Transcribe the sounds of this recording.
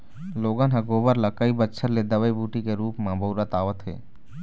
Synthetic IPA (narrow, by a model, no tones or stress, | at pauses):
loːɡanɦɐɡoːbəɾlakəibətːʃʰəɾled̪əʋəibuːʈikeɾuːpmãbəʊɾat̪aːʋət̪ɦḛː